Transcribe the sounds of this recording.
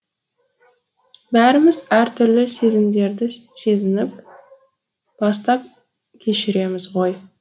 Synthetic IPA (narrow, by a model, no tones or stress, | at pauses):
bæɾɪmɪzæɾt̪ʰʏɾlɪse̞zɪmd̪e̞ɾd̪ɪse̞zɪnɪp̚ | b̥ɑst̪ɑp̚ | kʲʰe̞ʃɪɾe̞mɪzʁo̞j